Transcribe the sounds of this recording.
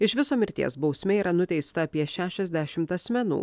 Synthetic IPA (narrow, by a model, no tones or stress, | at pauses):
ɪʃʋʲɪsoːmʲɪɾʲt̪ʲḭɛsbɒʊsʲmʲɛːiːɾɐnʊt̪ʲɛɪst̪ɐːpʲiɛʃʲæːʃʲɛzʲd̪ʲæʃʲɪmt̪ɐsʲmʲɛnṵː